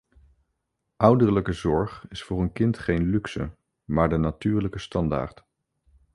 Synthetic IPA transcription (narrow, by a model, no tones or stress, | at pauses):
ʔʌwdəɹləkəzɔɹχɪsfʊːɹənkɪntχejnlyksə̰ | maːɹdənatyːɹləkəstɑnda̰ːɹt